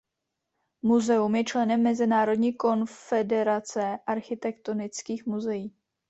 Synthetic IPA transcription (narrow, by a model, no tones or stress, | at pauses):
muzɛumjɛt͡ʃlɛnɛmːɛzɪnaːɾo̞dɲiːko̞nfɛdɛɾat͡sɛʔaɾxɪt̪ɛkt̪o̞nɪt͡skiːxmuzɛjiː